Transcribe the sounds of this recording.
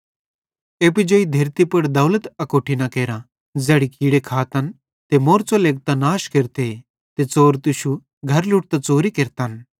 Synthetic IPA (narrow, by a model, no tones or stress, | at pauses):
eːpɪd͡ʒoːid̪ʱeːɾt̪ipɐɽd̪ɐwlət̪ɐkoːʈʰinɐkeːɾã | d͡zɛːɽikiːɽekʰaːt̪ən | t̪emoːɾt͡soleːɡ̚t̪anaːʃkeɾt̪e | t̪et͡soːɾt̪ʊʃu | ɡʱɐɾluʈ̚t̪at͡soːɾikeɾt̪aːn